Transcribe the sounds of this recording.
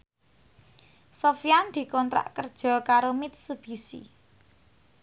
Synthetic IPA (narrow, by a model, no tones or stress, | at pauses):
sofjand̪̥i̤kɔnt̪ɾa̰ʔkərd̥ʒ̥ɔ̤kaɾomit̪̚sub̥isḭ